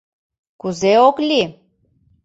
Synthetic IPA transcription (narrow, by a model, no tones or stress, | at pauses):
kuzeoklʲi